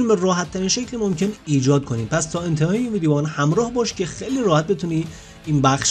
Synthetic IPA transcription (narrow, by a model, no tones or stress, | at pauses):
nimerɔːɦæt̪ʰːæɾiːnʃecʰlimomcʰeniːd͡ʒɒːd̪̚kʰo̞niːmpʰæst̪ʰɒːe̞nt̪ʰehɒːjeinviːd̪evɒːnhæmɾɒːhbɒːʃcʰe̞xejliːɾɒːhæt̪̚be̞t̪ʰuːniː | inbæxʃ